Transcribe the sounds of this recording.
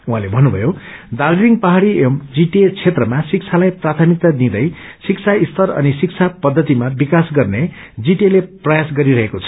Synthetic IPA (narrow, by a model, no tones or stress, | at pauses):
uɦãlebʱʌnːubʱʌ̰jod̪alɾiŋpʌɦaɽiemd͡ziʈet͡sʰet̪rʌmasik̚t͡sʰalajprat̪ʰʌmik̚t̪ad̪ĩd̪ʌj | sik̚t͡sʰaist̪ʰʌrʌ̰nisik̚t͡sʰapʌd̪ʱːʌt̪imabikasɡʌrne | d͡ziʈeleprʌjasɡʌɾiɾʌɦekot͡sʰʌ̥